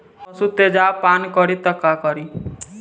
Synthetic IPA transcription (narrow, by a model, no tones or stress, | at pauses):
sut̪ed͡ʒapankɔɾit̪əkakɔɾi